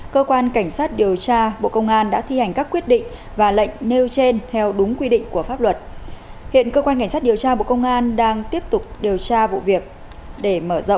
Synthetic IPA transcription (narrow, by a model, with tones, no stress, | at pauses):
kəː˧kwaː˧nka˧˩jŋ̟saː˦˥t̚ɗi˨˩əwt͡ɕaː˧ɓo̰˧˨kə˧wŋ͡mʔaː˧nɗa̰ː˧˥t̪ʰi˧ha˨˩jŋ̟kaː˦˥kːwi˦˥ət̚ɗḭ˧˨ŋ̟ | vaː˨˩lə̰˧˨jŋ̟ne˧wt͡ɕe˧nt̪ʰɛ˧wɗʊ˨˦ŋ͡mkwi˧ɗḭ˧˨ŋ̟ku˧˩əfaː˦˥p̚lwə˨˩t̚hḭ˧˨ənkəː˧kwa˧nka˧˩ŋsa˦˥t̚i˨˩əwt͡ɕaː˧ɓo̰˧˨kə˧wŋ͡mʔaː˧nɗaː˧ŋt̪i˦˥əp̚t̪ʊ˨˩k͡p̚ɗi˨˩əwt͡ɕaː˧vṵ˧˨vi˨˩ək̚ | ɗe˧˩məː˧˩zə̰˧˨wʔ